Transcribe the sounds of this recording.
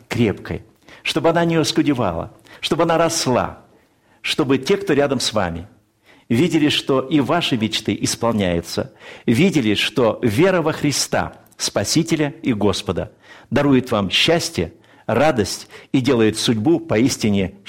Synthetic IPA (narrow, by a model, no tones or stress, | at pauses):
kɾʲepkə̰j | ʂt̪o̞bɨɐnanʲɪɐskʊdʲɪva̰lˠə̰ | ʂt̪o̞bɐnaɾɐslˠa̰ | ʂt̪o̞bɨtʲe̞kt̪o̞ɾʲad̪əmsva̰mʲɪ | vʲidʲɪlʲɪʂt̪o̞ʔivaʂɨmʲɪt͡ɕt̪ɨʔɪspɐlˠnʲæjɪt̪sə̰vʲidʲɪlʲɪʂt̪o̞vʲe̞ɾəvəxɾʲɪst̪a̰ | spɐsʲitʲɪlʲəɪɡo̞spəd̪ə̰ | d̪ɐɾujɪt̪vamɕːæsʲtʲɪjə | rad̪əsʲtʲidʲe̞lˠəjɪt̪sʊdʲbupɐisʲtʲɪnʲɪ